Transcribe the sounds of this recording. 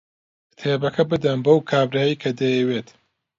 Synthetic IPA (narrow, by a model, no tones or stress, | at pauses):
t̪ʰeːbɐkʰɐbɨd̪ɐnbɐwkʰaːbɾaːjikʰɐd̪ɐjɛweːt̪